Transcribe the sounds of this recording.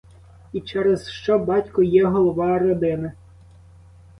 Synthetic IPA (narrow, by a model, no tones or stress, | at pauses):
it͡ʃɛɾezʃt͡ʃɔbɑtʲkɔjɛɦɔlˠɔʋɑɾɔd̪ɪnɐ